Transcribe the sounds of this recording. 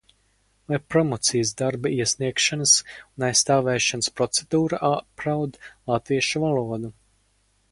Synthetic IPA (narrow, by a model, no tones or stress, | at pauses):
lajpɾɔmɔt̪sijəsd̪aɾbaiɛsʲniɛkʃanɐsunajst̪aːvɛːʃanspɾɔt̪sed̪uːɾaʔapɾawd̪lˠat̪viɛʃuvalˠuɔd̪u